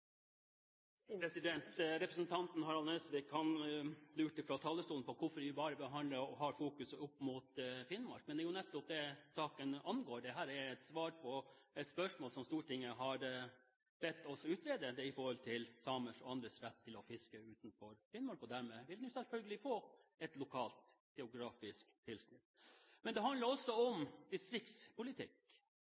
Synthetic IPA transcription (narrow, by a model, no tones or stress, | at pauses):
ɾɛsɪd̪ɛnt̪ɾɛpɾəsnt̪ʰɑnt̪nhɑɾɑleːsʋɪkhɑnlʉːʈɪfɾɑlt̪ʰɑːlːəst̪uːlpɔkʰʊfɔɾɪjʊbɑːɾəbəɦɑnd̪ləɔɦɑɾfuːkʉsʊpːmʊt̪fɪnmɑ̰ɾk̚mɛnd̪ɛjʊnɛt̪ːɔp̚d̪ɛsɑːkənɑnɡoːɾɖ̪ɛɦæːɾɛɛt̪sʋɑːɾpʰɔ | ɛt̪spœʂmoːlsɔmst̪uːɾəʈʰɪŋːəɦɑɾ | bɛt̪ːɔsɔʉːt̪ɾeːd̪əd̪ɛɪfɔɾhɔlt̪ʰɪlsɑməʂɔɑnd̪ɾəsɾɛt̪ʰːɪlɔfɪskəʉːt̪nfɔɾfɪnmɑɾkɔd̪æɾmɛʋɪld̪ɛnʊsɛlfœlɡəlɪfoːɛt̪lʊkʰɑːlt̪ | ɡ̥ɛʊɡɾɑːfɪskt̪ʰɪlsnɪt̪ːmɛnd̪ɛɦɑnd̪ləɾɔsːɔɔmd̪ɪst̪ɾɪkt̪spʊlɪt̪ʰɪk